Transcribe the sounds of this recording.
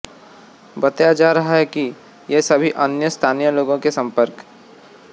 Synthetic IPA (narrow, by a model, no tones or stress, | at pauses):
bɐt̪ajad͡ʒaːɾɐɦaɦɛki | jesɐbʱiʔɐnjəst̪ʰaːnijəloːɡõkesɐ̃mpəɾk